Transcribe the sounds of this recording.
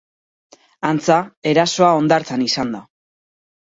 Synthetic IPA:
ant͡sae̞ɾaso̞ao̞nd̪aɾt͡sanisand̪a

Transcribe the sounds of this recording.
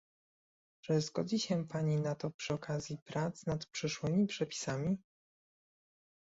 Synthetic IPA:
ʐɛzɡɔ̰d͡ʑiɕɛpaɲinat̪ɔpʂɘɔkazʲjipɾat̪znat̪pʂɘʂwɘmʲipʂɛpʲi̥samʲi

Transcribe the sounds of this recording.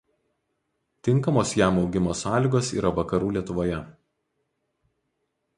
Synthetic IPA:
t̪ʲɪŋˑkɐmoːsjæˑmɒʊɡʲɪmoːsɑːlʲiːɡoːsḭːɾɐʋɐkɐɾuːlʲiɛt̪ʊʋoːjɛ

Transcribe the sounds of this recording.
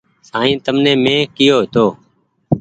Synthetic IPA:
saːĩːt̪əmnẽːmẽːkɪjoːɦet̪oː

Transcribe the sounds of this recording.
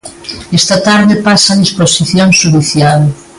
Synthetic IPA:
ɛst̪ɐt̪aɾðepasanisposiθjoŋʃuðiθjal

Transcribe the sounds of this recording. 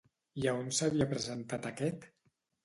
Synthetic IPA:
iaunsaβiapɾəzənt̪at̪akɛt̪

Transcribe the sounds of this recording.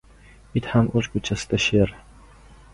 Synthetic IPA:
it̪hamʔot͡ʃ̪kʊt͡ʃʰasɪ̥d̪̥aʃeɾ

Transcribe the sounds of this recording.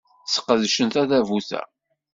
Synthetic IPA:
sə̥qːəðʃənt̪æðævuθæ̰

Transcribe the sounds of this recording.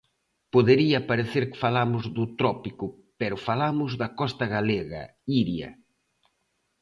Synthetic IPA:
poðeɾiɐpaɾeθeɾkɪ̥falamʊzðʊt̪ɾɔpikʊpɛɾʊfalamʊzðɐkɔst̪ɐɣaleɣɐ̰ | iɾjɐ̰

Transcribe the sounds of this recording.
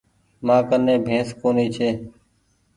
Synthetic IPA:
mãːkənːẽːbʱẽːskoːniːt͡ʃʰeː

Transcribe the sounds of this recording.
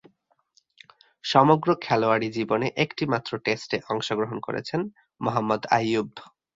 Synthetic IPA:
ʃɔmoɡɾokʰɛloaɽid͡ʑiboneʔekʈimat̪ːɾoʈesʈeʔɔŋʃoɡɾoɦonko̰ɾḛt͡ɕʰen | moɦamːod̪a̰jːub

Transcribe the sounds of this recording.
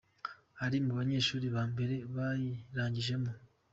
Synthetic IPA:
haɾimuβaɲe̞ːʃuːɾiβaːmbe̞ɾe̞βajiɾaːɲɟiʒe̞mu

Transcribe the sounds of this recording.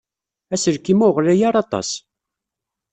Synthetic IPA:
æsəɾkimʊʁlæjaɾˤɑt̪ˤɑ̰s

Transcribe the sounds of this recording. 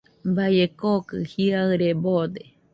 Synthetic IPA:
baekokɨhiaɨɾebod̪e

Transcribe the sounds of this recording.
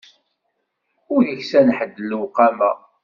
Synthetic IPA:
ʊɾðəçsænħəd̪ːəlːəwqæmæ̰

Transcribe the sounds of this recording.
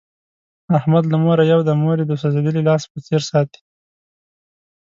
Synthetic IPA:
ahmad̪lamoɾajawd̪əmoɾed̪əsazed̪əlilɑspət͡seɾsɑt̪i̥

